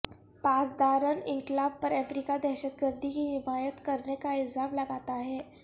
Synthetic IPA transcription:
pat͡sd̪aɾəniŋklabpːəɾɛfɾikad̪ɛɦɕəd̪ɡəɾd̪ʱikiːɦimajət̪kəɾɳekaild͡zʱamləɡat̪aːɦe

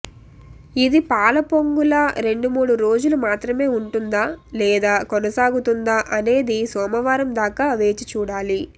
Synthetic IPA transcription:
id̪ipaːlɐpo̞ŋɡulɐɾe̞ɳɖumuːɽuɾo̞ːd͡ʒulumaːt̪ɾɐme̞ːuɳʈund̪aːlɛːd̪aːkonɐsaːɡut̪und̪aːʔɐne̞ːd̪isɔːmɐʋaːɾɐmd̪aːkaːʋe̞ːt͡ʃit͡ʃuːɽaːli

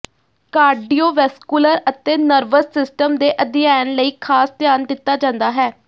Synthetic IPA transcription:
kaːɾɖiːoːʋɛskuləɾət̪eːnəɾʋəsːɪsʈəmd̪eːʔəd̪ɪjaːnləiːkʰaːst̪ɪjaːnd̪ɪt̪ːaːd͡ʒãːnd̪aːɦɛː

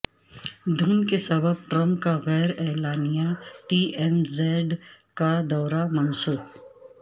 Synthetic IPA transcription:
d̪ʱuːnkesɐbəb̚ʈɾɐ̃mpkaɣɛːɾɛːlaːnijaʈiːʔɛmzeːɖkad̪ɔːɾamɐnsuːb

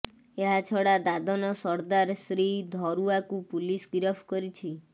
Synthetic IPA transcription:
eɦat͡ʃʰɔɽad̪ad̪ʱɔnɔsɔɾd̪aɾsɾid̪ʱɔɾuakupulisɡiɾɔpʰkɔɾit͡ʃʰi

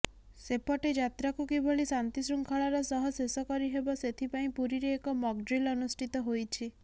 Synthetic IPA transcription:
sepɔʈed͡ʒat̪ɾakukiboɭisant̪isɾuŋkʰaɭaɾɔsɔɦɔsesɔkɔɾiɦebɔset̪ʰipaĩpuɾiɾeːkɔmɔɡ̚ɖɾilɔnusʈit̪ɔɦojt͡ʃʰi

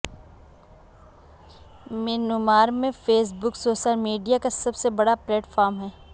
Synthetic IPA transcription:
meːnʊmaːɾmẽfeːs̬bʊksoːʃəlmiːɖijakasɐbsebɐɽaplɛːʈfɔːɾmɦɛː

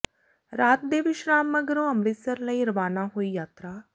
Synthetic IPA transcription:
ɾaːt̪̚d̪eːʋɪʃɾaːmːəɡəɾõːəmleːsəɾləiːɾəʋaːnaːɦoːiːjaːt̪ɾaː

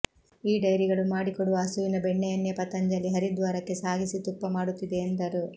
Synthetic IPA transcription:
iːɖɐjɾiɡɐɭumaːɽikɔɽuʋɐːsuʋinɐbɛɳːɛjɐnːjɐpɐt̪ɐɲd͡ʒɐlːiɦɐɾid̪ʋaːɾɐkːe̞saːɡisit̪upːɐmaːɽut̪ːid̪e̞ːnd̪ɐɾu

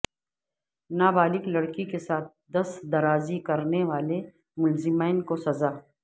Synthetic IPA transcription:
naːbaːlɪklɐɽkikesaːt̪̚d̪ɐsd̪ɐɾaːzikɐɾneʋaːle | mʊlzɪmaːɪnkosɐzaː

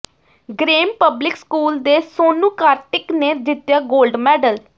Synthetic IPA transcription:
ɡɾeːmpəblɪkskuːld̪eːsoːnũːkaːɾʈɪkneːd̪ɪt̪jaːɡoːlɖmɛːɖəl

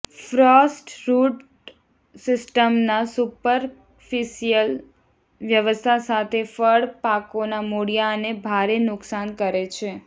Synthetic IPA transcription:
fɾɔsʈɾuʈ | sɪsʈəmnasupəɾ | fiʃijəl | ʋjəʋəst̪ʰasat̪ʰefəɽpakonamoɽijanebʱaɾenʊksankəɾet͡ʃʰe

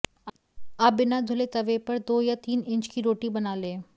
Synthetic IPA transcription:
abɪnad͡ʒ̪ʱʊlet̪ɐʋepɐɾd̪oːjat̪iːnɪ̃ɲt͡ʃkiɾoːʈibɐnaːlẽː

